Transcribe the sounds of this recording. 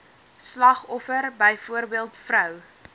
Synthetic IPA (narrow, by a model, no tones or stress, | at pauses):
slɐχɔfərbəjfuərbiəlˠtfrœw